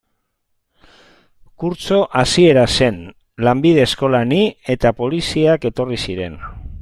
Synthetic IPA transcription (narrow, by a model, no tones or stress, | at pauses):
kuɾt͡so̞ʔasie̞ɾase̞n | lambið̞e̞ːsko̞lanie̞t̪apo̞lisiake̞t̪o̞risiɾe̞n